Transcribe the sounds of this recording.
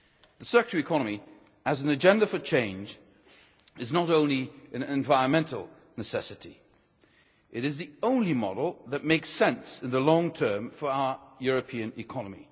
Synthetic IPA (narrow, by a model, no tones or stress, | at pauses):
ðəsɜ˞kəɹəɨkʰɑnəmi | ɨzn̩ɨd͡ʒɛ̃ndəfə˞t͡ʃʰẽɪ̃nd͡ʒ | ɨznəɾõʊ̃nliɨ̃nɨ̃ɱvaɪɹə̃nmɛ̃ntˡl̩ˠ | nɨsɛsɨɾi | ʔɨɾɨzðiõʊ̃nlimɑ̰dl̩ˠðɨt̚meɪksɛ̃nsɨ̃nðəlɔ̃ŋtʰɜ̃˞mfə˞aʊə˞jʊɹɨpʰiɨ̃nɨkʰɑnəmḭ